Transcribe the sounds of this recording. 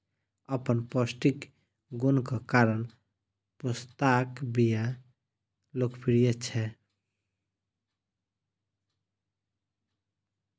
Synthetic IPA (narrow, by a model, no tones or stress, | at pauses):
əpənpɔsʈik | ɡunkəkaɾən | pust̪akbija | lokpʰiɾijət͡ʃʰɛ